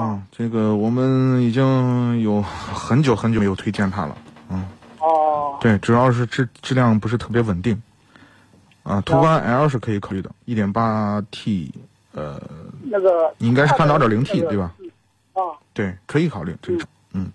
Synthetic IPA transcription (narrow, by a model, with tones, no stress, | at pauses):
ʈ͡ʂɤ˥˩ɡə˩wɔ˨˩mə˦ni˨˩t͡ɕi˥ŋjo˨˩ʊxə˧˥nt͡ɕjo˧˥ʊxə˧˥nt͡ɕo˨˩˧jo˨˩t̪ʰwe˥ɪt͡ɕjɛ˥˩nt̪ʰa̰˥lə̰˨n̩˥˩ | we˥˩ɪʈ͡ʂɻ̩˨˩jɑ˥˧ʊʂ̬ɻ̩˥˧ʈ͡ʂ̩˥˧ʈ͡ʂɻ̩˥˧ljɑ˥˩ŋp̬u˧˥ʂ̬ɻ̩˧t̪ʰɤ˥˩p̬jɛ˧˥wə˨˩nt̪i˥˩ŋ | ə̰˥˧t̪ʰu˧˥ka˥na̰˧˥ə˥˧ʂɻ̩˥˩kʰɤ˧˥i˧˥kʰɑ˨˩ly˥˩d̪ə̰˩i˥˩t̪jɛ˨˩npa˥t̪ʰi˥˩ | ə̰˧˩˥ɡə˩˨˩i˥ŋka˥ɪʂɻ̩ʰ˥˧a˥˩nt̪ɑ˧˥˩ə˞˨˩li˧˥ŋt̪ʰi˥˩t̪we˥˩bɐ˨˩˥ | t̪we˥˩ɪkʰɤ˧˥i˧˥kʰɑ˨˩ʊly˥˩ʈ͡ʂɤ˥˩ɡə˩ʈ͡ʂʰʊ˧˩˦ŋn̩˥˩